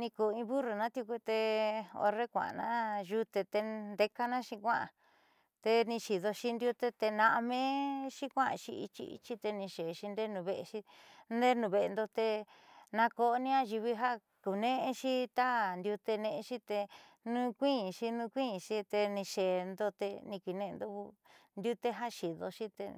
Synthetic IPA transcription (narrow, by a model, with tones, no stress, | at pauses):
nĩ˧ku˨˧ĩ˧βu˦ru˨nã˦t̪ju˧ku˧t̪e˧o̰˧re˦kʷã̰˨nã̰˦ʒu˧t̪e˧t̪e˧nd̪e˧ka˦nã˦ʃĩ˧kʷã˦ʔã˨ | t̪e˧nĩ˧ʃi˨ðo˧ʃi˧nd̪ju˧t̪e˧t̪e˧nã˧ʔa˧mẽ˦ʃi˦kʷã˦a̰˧ʃi˧ḭ˧t͡ʃḭ˦˧ḭ˧t͡ʃi˦t̪e˧nĩ˧ʃe˨˧ʃi˧nd̪e˦nũ˨βe˧ʔe˧ʃi˧nd̪e˦nũ˧βe˧ʔe˧nd̪o˧t̪e˧ | nã˧ko˧˦nĩ˦ã˦ʒi˧βi˧ɦa˦ | ku˨nẽ˦ʔe˧ʃi˦t̪a˦nd̪ju˧t̪e˧nẽ˧ẽ˧ʃi˦t̪e˧nũ˦kʷĩ˦˨ʃi˧nũ˧kʷĩ˦˨ʃi˧˦t̪e˧nĩ˧ʃe˨nd̪o˧t̪e˧nĩ˧kʷi˨nẽ˦˧d̪o˦βu˧nd̪ju˦t̪e˦ɦa˦ʃi˨ðo˧ʃi˦t̪ḛ˧